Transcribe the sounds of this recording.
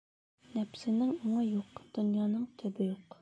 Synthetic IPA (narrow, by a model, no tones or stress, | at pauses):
nɛpsɪnɪŋoŋɑjoqd̪̥ynjɑːnɨŋt̪ʰøbɪjoq